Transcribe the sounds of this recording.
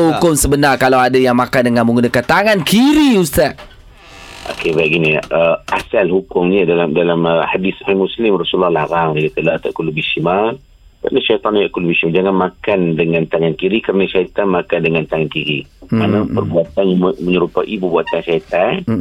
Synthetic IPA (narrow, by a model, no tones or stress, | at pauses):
ɦukʊmsəbənarkalawadajaŋmakandəŋãnmə̃ŋɡunakant̪aŋankiɾiust̪aʔ | ʔo̰kebaʔɡiniʔəasalhukʊmɲidalamdalaməhadishamuslɪmrasuɔlːɔhlaɾaŋdakat̪əlaht̪aʔkulubiʃima | kəɾənaʃajt̪ɑnajaʔkulubisimad͡ʒaŋanmakandəŋãnt̪aŋankiɾikəɾənaʃait̪anmakandəŋant̪aŋankiɾimanapərbuat̪anjmməɲəɾupaʔipərbuat̪anʃait̪an